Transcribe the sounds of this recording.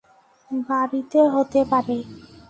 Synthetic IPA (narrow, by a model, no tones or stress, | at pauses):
baɾit̪eɦot̪epaɾe